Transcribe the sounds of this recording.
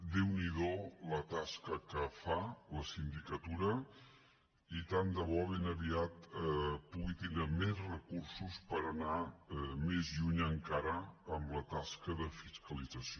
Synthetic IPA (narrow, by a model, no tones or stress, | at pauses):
d̪ewniðolət̪askəkəfaləsind̪ikət̪uɾə | it̪and̪əβɔβenəβiat̪puɣit̪ind̪ɾəmezrəkursuspəɾənamezʎuɲəŋkaɾəəmlət̪askəðəfiskəlid͡zəsio